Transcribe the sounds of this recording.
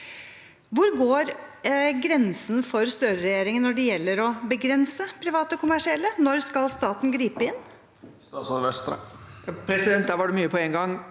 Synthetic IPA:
ʋʊɾɡoːɾɡɾɛnsnfɔɾst̪œɾəɾɛjeːɾɪŋənːɔɖɛjɛlːəɾɔbəɡɾɛnsəpʰɾɪʋɑːt̪əɔkʰʊmæʂɪɛlːənɔɾskɑlst̪ɑːt̪n̩ɡɾiːpəɪnː | st̪ɑsɔʋɛst̪ɾə̰pʰɾɛsɪd̪ɛnt̪d̪æɾʋɑɖɛmyːəpʰɔɛŋɡɑŋ

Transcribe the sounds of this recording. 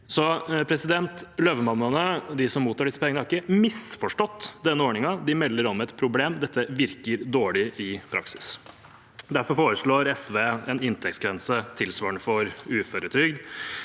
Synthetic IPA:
sɔpʰɾɛsɪd̪ɛnt̪løːʋəmɑmːɑnəd̪ɪsɔmːuːt̪ʰːɑːɖɪsə̥pʰɛŋənəhæɾɪkəmɪsfɔʂʈɔt̪ːd̪ɛnːəoːɳɪŋɑd̪ɪmɛlːəɾɔmɛt̪pʰɾʊbleːmd̪ɛt̪ːəʋɪɾkəɾd̪oːɭɪʔɪpʰɾɑ̰ksɪ̥s | d̪æɾfɔɾfoːɾəʂɭoːɾɛsʋeːɛnɪnt̪ʰɛk̚t̪sɡɾɛnsət̪ʰɪlsʋɑːəɳəfɔɾʉːføːɾət̪ʰɾʏɡd̪

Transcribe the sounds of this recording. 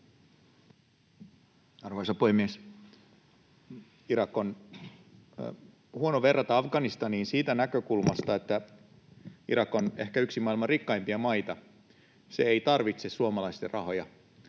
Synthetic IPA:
ɑrʋojsɑpuhemːies | iɾɑkːon | huo̞noʋe̞rːɑt̪ɑɑfɡɑnist̪ɑniːnsiːt̪ænækø̞kulmɑst̪ɑet̪ːæ | iɾɑkːone̞hkæyksimɑilmɑrikːɑjmpiɑmɑjt̪ɑ | seejt̪ɑrʋit̪sesuomɑlɑist̪erʔɑho̞jɑ

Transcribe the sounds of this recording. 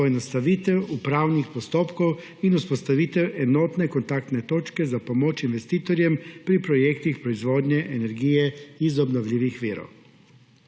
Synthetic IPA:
ɔjɛnɔst̪aʋiːt̪ɛwupɾaːwnixpɔst̪oːpkɔw | inuspɔst̪aʋiːt̪ɛwʔɛnoːt̪nɛkɔnt̪akt̪nɛt̪oːt͡ʃkɛzapomoːt͡ʃinʋɛst̪iːt̪ɔɾjɛmpɾipɾɔjeːkt̪ixpɾɔizʋoːd̪ɲɛʔenɛɾɡiːjɛizɔbnɔwlʲiːʋixʋiːɾɔ̰w

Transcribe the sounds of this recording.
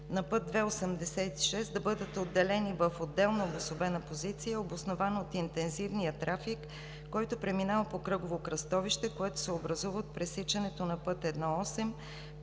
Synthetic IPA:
nɐpɤt̪̚d̪vɛosəmd̪ɛsɛt̪i̥ʃɛsd̪ɐbɤd̪ət̪od̪ːɛlɛnivəfod̪ːɛlˠnɐobosobɛnɐpozit̪sijəobosnovanot̪int̪ɛnzivnijət̪ɾʔafikː | ɔjt̪ʊpɾɛminavɐpokɾɤɡovokɾɐst̪ɔviʃt̪ɛkoɛt̪o̥sɛobɾɐzuvət̪̚pɾɛsit͡ʃɐnɛt̪onɐpɤt̪ɛd̪nɔɔsɛm

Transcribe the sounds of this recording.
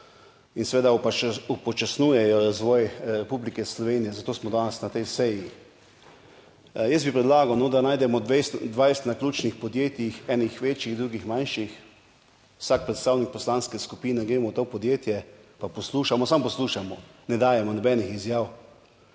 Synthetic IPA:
insɛʋeːd̪aupɔt͡ʃasnujɛjɔɾazʋɔːjɾɛpublikɛslɔʋenijɛzat̪oːsmɔd̪aːnɛsnat̪ɛjsɛji | jəsbipɾɛd̪laːɡawnɔd̪anaːjd̪ɛmɔd̪ʋesd̪ʋajst̪naklʲuːt͡ʃnixpɔd̪jeːt̪jixɛːnixʋet͡ʃjiɣd̪ɾuːɡixmãnʃix | wsak̚pɾɛt̪st̪aːwnik̚pɔslanskɛskupiːnɛɡɾeːmɔwt̪opɔd̪jeːt̪jɛpapɔsluːʃamɔsampɔsluːʃamɔnɛd̪aːjɛmɔnɔbɛːnixizjaːw

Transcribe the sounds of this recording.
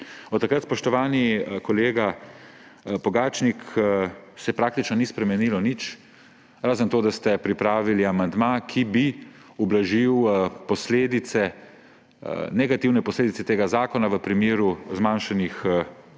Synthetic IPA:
ɔt̪ːakɾət̪spɔʃt̪ɔʋaːnikɔleːɡa | pɔɡaːt͡ʃnik | sɛpɾaːk̚t̪it͡ʃnɔnispɾɛmɛniːlɔnit͡ʃ | ɾaːzənt̪oːd̪ast̪ɛpɾipɾaːʋiliamand̪makʰibi | ublaʒiwpɔsleːd̪it̪sɛ | nɛɡat̪iwnɛpɔsleːd̪it̪sɛt̪eːɡazaːkɔnaʋəpɾimeːɾuzmaːnʃanix

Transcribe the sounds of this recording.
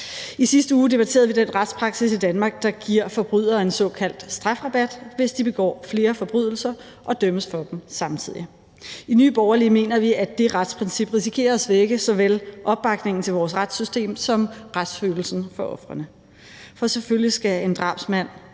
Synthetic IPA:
isisd̥əuːd̥e̝b̥æt͡sʰe̝ːɐðˠʋid̥enʁad̥spʰʁɑ̈ɡ̥sisid̥ænmɑ̈ːɡ̥̚d̥ɑ̈ɡ̥iɐ̰fɒ̽b̥ʁy̰ð̰ˠɐe̝nsɒ̽kʰæl̰d̥sd̥ʁɑ̈fʁɑ̈b̥æd̥ʋe̝sd̥ib̥e̝ɡ̥ɒ̰ːfle̝ːɐfɒ̽b̥ʁy̰ðˠl̩sɐ | ʔɒ̽d̥øməsfɒ̽d̥emsɑ̈mt͡sʰið̞̰ˠi | iny̰ːb̥ɒʊɐlime̝̰ːnɐʋiæd̥e̝ʁad̥spʰʁɛnsib̥ʁis̬ikʰe̝̰ːɐsʋeɡ̥əsɒ̽ʋelʔɒ̽b̥ːɑ̈ɡ̥ne̝ŋn̩t͡sʰe̝lʋɒːsʁad̥sysd̥e̝̰ːmsɒ̽mʁad̥sføːl̩sn̩fɒ̽ʔɒ̽fʁɐnə | fɒ̽seføljisɡ̥æe̝nd̥ʁɑ̈ːb̥smæn̰

